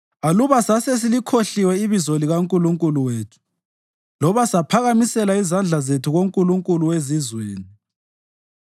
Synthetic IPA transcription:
aluβasases̬ilikʰoɬiwɛiβizoliɣaŋkʼuluŋkʼuluweːtʰu̥ | lɔβasapʰaɣamisɛlaizand͡ɮʱazetʰuɣoŋkʼuluŋkʼuluwezizweːni

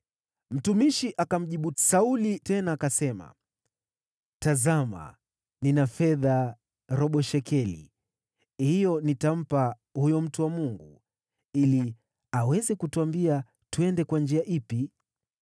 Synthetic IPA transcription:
m̩tumiʃiʔakam̩ʄiɓusaulitɛnaːkasɛma̰ | tazama̰ | ninafɛða | ɾɔɓɔʃɛkʰɛlḭ | hijɔnitam̩pa | hujɔm̩tuwamuŋɡu | ili | awɛzɛkutuambia | tuɛndɛkwand͡ʒiaʔipi

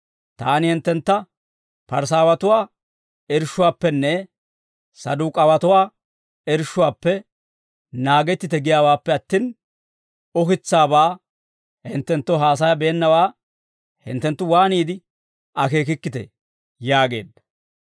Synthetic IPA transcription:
t̪aːnɪhɪnt̪ːɛnt̪ːɐ | pɐɾs̬aːwɐt̪ʊwaː | ɛɾʃːʊwaːpːɛnːɛ | sɐd̪uːkʼɐwɐt̪ʊwaː | ɛɾʃːʊwaːpːɛ | naːɡɛt̪ːɪt̪ɛɡɪjaːwaːpːɛɐt̪ːiːn | ɔkɪt͡sːaːbaː | hɪnt̪ːɛnt̪ːɔɦaːs̬ɐjɐbeːnːɐwaː | hɪ̰nt̪ːɛnt̪ːʊwaːniːd̪ɪ | ɐke̞ːk̬ɪkːɪt̪ɛ̰ | jaːɡe̞̰ːd̪ːɐ

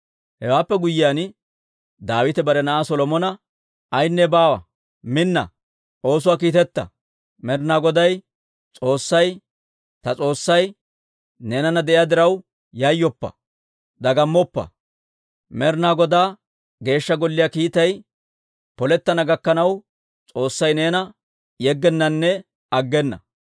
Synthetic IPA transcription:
hɛwaːpːɛɡʊjːɪjan | d̪aːwɪt̪ɛbɐɾɛnɐʔaːsɔlɔmɔnɐ | ɐjnːɛbaːwɐ | mɪnːɐ̰ | ʔo̞ːs̬ʊwaːk̬iːt̪ɛt̪ːɐ̰ | mɛɾnaːɡɔd̪ɐj | t͡sʼo̞ːsːɐj | t̪ɐt͡sʼo̞ːsːɐj | ne̞ːnɐnɐd̪ɛʔɪjad̪ɪɾɐw | jɐjːɔpːɐ̰ | d̪ɐɡɐmːɔpːɐ̰ | mɛɾnaːɡɔd̪aː | ɡe̞ːʃːɐɡɔlːɪjaːkiːt̪ɐj | pɔlɛt̪ːɐnɐɡɐkːɐnɐw | t͡sʼo̞ːsːɐjne̞ːnɐ | jɛɡːɛnːɐnːɛ | ɐɡːɛnːɐ̰

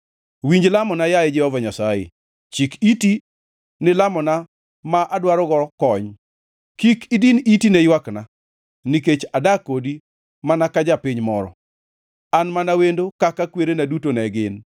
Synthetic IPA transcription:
wiɲd͡ʒlamɔnajajɛd͡ʒɛhɔvaɲasajḛ | t͡ʃikiti | nɪlamɔna | maʔadwaɾɔɡɔkɔɲ | kikidinitinejwakna | niket͡ʃadakodi | manakad͡ʒapiɲmɔɾɔ̰ | anmanawendokakakweɾenadutonɛɡɪn

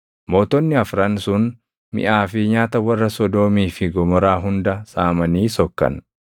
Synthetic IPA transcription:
moːt̪ɔnːɪɐfɾɐnsʊn | mɪ̰ʔaːfɪɲaːt̪ɐwɐrːɐsɔd̪oːmiːfɪɡɔmɔɾaːɦʊnd̪ɐsaːmɐniːsɔkːɐ̰n

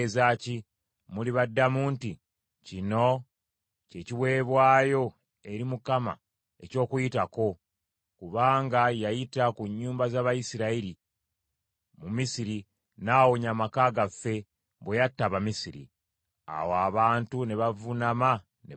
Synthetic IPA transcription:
zaːci | muliβadːamuːnti | cino̞ | ce̞ciwe̞ːβwaːjo̞ | e̞ɾimukama̰ | e̞co̞ːkujitako̞ | kuβaːŋɡajajitakuɲːuːmbazaːβajisiɾaiɾi | mumisiɾi | naːwoɲamakaːɡafe̞ | βwejatːaβamisiɾḭ | a̰woaβaːntuneβavunama | ne

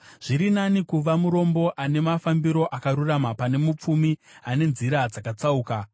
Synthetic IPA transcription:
ʐ̥iɾinanikuʋamuɾo̞mbo̞ʔane̞mafambiɾo̞ʔakaɾuramapane̞mup͡fumiane̞nziɾad͡zakat͡sauːka

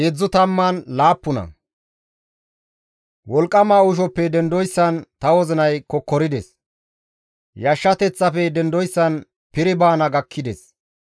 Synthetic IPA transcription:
ed͡zːʊt̪ɐmːanlaːpːʊnɐ̰ | wɔlkʼːɐmaːʊʃ̬ɔpːɛd̪ɛnd̪ɔjsːɐnt̪ɐwɔzɪnɐjkɔkːɔɾɪd̪ɛs | jɐʃːɐt̪ɛt͡sːɐfɛd̪ɛnd̪ɔjsːɐn | pɪɾɪbaːnɐɡɐkʰːɪd̪ɛ̰s

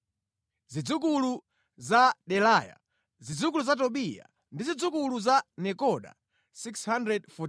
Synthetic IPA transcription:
zid͡zuk̬ulu | zaɗɛlaja̰ | zid͡zuk̬uluzat̬ɔɓija̰ | ndizid͡zukuluzanɛkɔɗa̰ | sikshandɾɛdfɔ

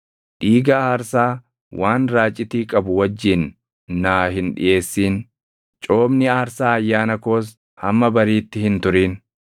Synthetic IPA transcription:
ᶑiːɡaːhɐɾsaː | wʔaːnɾaːt͡ʃʼːɪt̪iːkʼɐbʊwɐd͡ʒːɪnː | aːɦɪnᶑɪ̰jʔe̞ːsːiːn | t͡ʃʼo̞ːbnɪaːɾsaːɐjːaːnɐko̞ːs̬ | hɐmːɐbɐɾiːt̪ːɪhɪnt̪ʊɾiːn

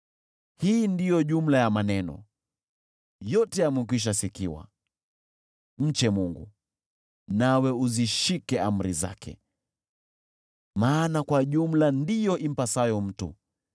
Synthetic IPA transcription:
hiːndijɔʄum̩lajamanɛnɔ̰ | jɔtɛjamwik̬wiʃ̬asikiwa̰ | m̩t͡ʃɛmuŋɡṵ | nawɛuziʃikɛam̩ɾiza̰kʰɛ̰ | maːnakwaʄum̩landijɔʔim̩pasajɔm̩tṵ

